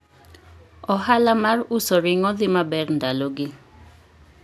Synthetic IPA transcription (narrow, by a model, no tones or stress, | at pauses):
ɔɦalamarusɔɾɪŋɔðɪmabɛrndalɔɡɪ